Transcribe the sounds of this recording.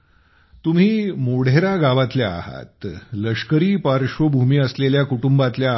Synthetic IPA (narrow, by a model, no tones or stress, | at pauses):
t̪um̤iːmoɽ̤eɾaɡaʋat̪ljaa̰ɦa̰t̪ləʂkəɾiːpaɾʂʋəbʱumiːəsleljakuʈumbat̪lja